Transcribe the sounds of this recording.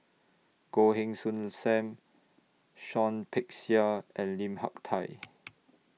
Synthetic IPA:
ɡ̥oɦĩŋsũnsɛ̃m | ʃɔ̃npʰɛk̚siəʔɛ̃nlĩmha̰k̚tʰaj

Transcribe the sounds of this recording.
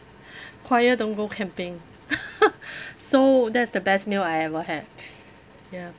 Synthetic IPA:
kʰwajədõnɡokʰɛ̃mpɪ̃ŋ | sodɛtsdəbɛstmilajɛvəɦɛd̚ | ja

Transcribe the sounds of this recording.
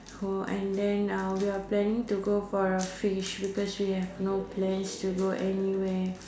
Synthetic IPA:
hoʔɛ̰̃ndɛ̃nawiaplɛ̃nĩŋtuɡofɔɹəfiʃbikɔswihɛvnopʰlɛ̃nstuɡoʔɛniwɛ

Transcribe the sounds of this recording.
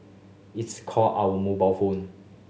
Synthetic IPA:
itskʰɔlawəmobalfõn

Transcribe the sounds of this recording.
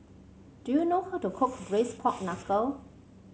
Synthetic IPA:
d̥ujunohawtukʰʊk̚bɹespʰɔk̚nakə

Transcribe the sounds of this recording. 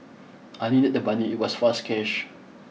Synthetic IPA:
ʔajnidət̚dəbaniit̚wɔsfaskʰɛʃ

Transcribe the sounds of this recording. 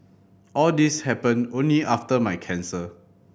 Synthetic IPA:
ʔɔldishɛpə̃nõnliʔaftəmajkʰɛ̃nsə

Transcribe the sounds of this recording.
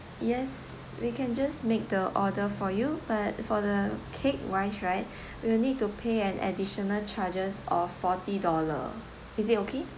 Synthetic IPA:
jɛs | wikʰɛ̃nd͡ʒasmek̚dəʔɔdəfɔjubat̚fɔdəkʰek̚waɪʃɹaɪt̚ | winid̚tupʰeɛ̃nʔɛ̰diʃɔnəlt͡ʃad͡ʒəsɔfɔtidɔlə̰ | isitokʰe

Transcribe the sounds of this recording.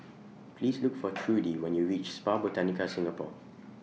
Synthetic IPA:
pʰlislukfɔtʰɹudiwɛ̃njuɹit͡ʃspabotanikasɪ̃ŋapɔ̰

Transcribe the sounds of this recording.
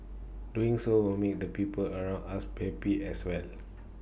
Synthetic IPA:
duĩŋsowilmek̚dəpipələɹãw̃nasbhɛpiɛswɛl

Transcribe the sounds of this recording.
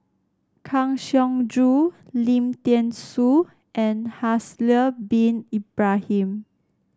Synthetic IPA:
kʰãŋʃɔ̃ŋdɹulĩmtɛ̃nsu | ʔɛ̃nhasləbĩnibɹahĩm

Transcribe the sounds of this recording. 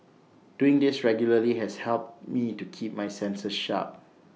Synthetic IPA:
d̥uɪ̃ŋdɪsɹɛɡjuləliɦɛshɛlp̚tmitukʰip̚majsɛ̃nsəsʃa̰p̚

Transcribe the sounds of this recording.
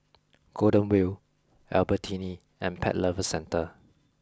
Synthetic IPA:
ɡ̥odə̃nwil | ɛ̰lbətʰĩni | ɛ̃npʰɛ̰t̚ləvəsɛ̃ntə

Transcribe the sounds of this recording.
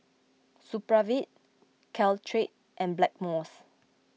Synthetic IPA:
supɹavit̚ | kʰɛltʰɹet̚ | ʔɛ̃nblɛk̚mɔs

